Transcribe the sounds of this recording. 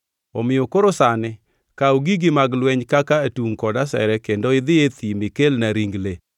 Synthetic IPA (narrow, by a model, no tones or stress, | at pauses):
ɔmɪokoɾosanɪ | kauɡiɡɪmaɡlwɛɲkakatuŋkɔdasɛ̰ɾɛkendoɪd̪ɪet̪imɪkelnaɾiŋɡle